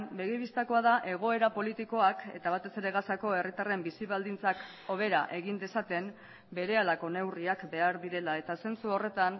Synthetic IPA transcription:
mbe̞ɣiβist̪ako̞aðaʔe̞ɣ̞o̞e̞ɾapo̞lit̪iko̞ake̞̰t̪aβ̞at̪e̞se̞ɾe̞ɣasako̞e̞rit̪are̞mbisiβ̞ald̪int͡sak | o̞βe̞ɾaʔe̞ɣind̪e̞sat̪e̞m | be̞ɾe̞alako̞ne̞wriakbe̞aɾðiɾe̞lae̞t̪ase̞nt͡suo̞re̞t̪an

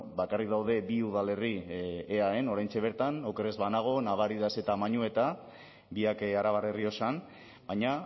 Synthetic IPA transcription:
bakarik̚d̪awð̞e̞biuð̞ale̞rieae̞no̞ɾajnt͡se̞β̞e̞ɾt̪anowkere̞zβanaɣ̞o̞naβ̞aɾiðase̞t̪amaɲue̞t̪a | biakaɾaβaɾe̞rio̞san | bajɲa

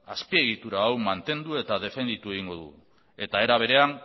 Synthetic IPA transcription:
aspie̞ɣ̞it̪uɾaːwmant̪e̞nd̪ue̞t̪aðe̞fe̞nd̪it̪ue̞ɣ̞iŋɡo̞ðṵ | e̞t̪ae̞ɾaβ̞e̞ɾe̞an

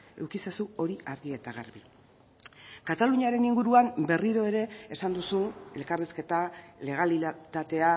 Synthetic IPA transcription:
e̞̰wkisesuo̞ɾiaɾðie̞t̪aɣa̰rβi | kat̪aluɲaɾe̞niŋɡuɾuambe̞riɾo̞e̞ɾe̞ːsand̪usune̞lkareske̞t̪ale̞ɣalit̪at̪e̞a

